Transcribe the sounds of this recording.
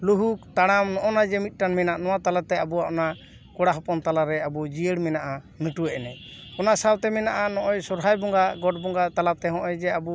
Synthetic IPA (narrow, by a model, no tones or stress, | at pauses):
luɦukt̪aɽ̃amnɔʔɔnad͡ʒɛmit̪̚ˀʈanmɛnaʔnɔwat̪alat̪ɛabuaʔɔna | kɔɽaɦɔpɔnt̪alaɾɛabɔd͡ʒiəɽmɛnaʔa | nəʈuɛʔɛnɛɔnasawt̪ɛmɛnaʔanɔʔɔjsɔɾɦajbɔŋɡaɡɔʈ̚bɔŋɡat̪alap̚t̪ɛɦɔ̃ʔɔjd͡ʒɛabu